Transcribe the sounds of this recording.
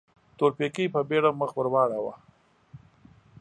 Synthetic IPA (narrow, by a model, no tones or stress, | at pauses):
t̪oɾpekijpabeɽamːəxbəɾwɑːɽawa̰